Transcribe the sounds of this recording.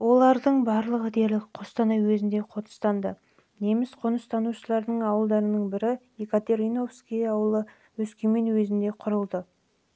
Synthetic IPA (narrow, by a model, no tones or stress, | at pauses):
wo̞lˠɑɾd̪əɴbɑɾlˠəʁəd̪e̞ɾlɪk̚qʰost̪ɑnɑjwɵzɪnd̪e̞qʰo̞t̪ə̥st̪ɑnd̪ə | ne̞mɪsqʰonəst̪ʰɑnuʃəlˠɑɾd̪əɴɑwəlˠd̪ɑɾənəɴbɪɾɪjekat̪e̞ɾino̞fskʲijɑwəlˠə | wɵskʲeme̞nwɵzɪnd̪e̞qʰʊɾəlˠd̪ə